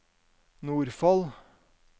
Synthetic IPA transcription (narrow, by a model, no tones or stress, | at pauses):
nuːɾfɑl